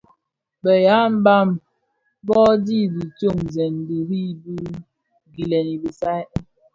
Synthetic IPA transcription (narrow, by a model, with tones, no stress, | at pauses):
bə˨ja˨˦m̩˦ba˦˨m | bɔ˦di˦di˨to˦˨mzɛ˨n˨di˨hi˦bu˦ | ɡi˨lɛ˨ni˨bi˨sa˦j